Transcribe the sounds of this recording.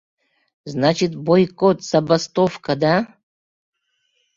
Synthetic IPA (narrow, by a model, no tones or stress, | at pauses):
znat͡ɕɪt̪bojkot̪z̥ɐbɐst̪ofkɐd̪a